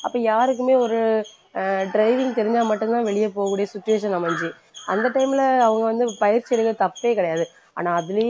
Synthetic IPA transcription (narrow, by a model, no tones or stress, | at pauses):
ɐpːoːjaːɾɯk̬ːɯmeːɔɾɯ | ɖɾɐɪʋɪŋɡt̪ɛɾɪɲd͡ʒaːmɐʈːɯnt̪ãːʋɛɭɪjɐpoːɣɐkɯuːɽɪjɐsɪt͡ʃːʊʋeːʂɐnɐmɐɲd͡ʒi | ɐnd̪ɐʈːɐɪmɪlɐːʋɐŋɡɐʋɐnd̪ɯpɐjɪɾt͡ʃːiɛɽɯk̪ːɐt̪ɐpːeːkɪɽɐjaːðɯ | a̰ːnãːɐðɯlɐ